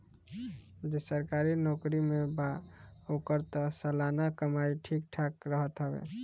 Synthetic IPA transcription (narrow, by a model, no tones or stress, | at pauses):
d͡ʒesəɾkaɾinɔkɾimebaokəɾt̪ɔsəlanakəmaiʈʰik̚ʈʰakɾəɦət̪ɦəbḛ